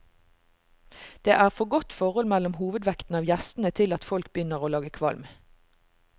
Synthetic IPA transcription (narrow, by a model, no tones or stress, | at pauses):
d̪̥eːʔæːʁfɔʁɡɔt̪fɔʁhɔlmɛlʊmhuːʋəd̪ʋɛkt̪n̩ɑːʋjæst̪n̩ət̪ʰɪlɑt̪fɔlk̚bəjʏnəʁoːlɑːɡəkʰʋɑ̰lm